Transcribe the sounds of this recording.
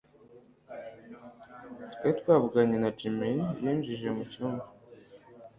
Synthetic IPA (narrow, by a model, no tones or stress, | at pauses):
tweitwaːβuɡaɲenat͡ʃimejiːnʒiʒemucuːnɡu